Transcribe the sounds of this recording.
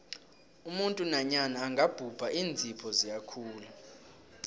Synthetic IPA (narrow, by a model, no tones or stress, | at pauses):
umuntʼunaɲanaːŋɡab̥ʱub̥ʱaʔiːnd͡zʱipʰɔzijakʰuːlu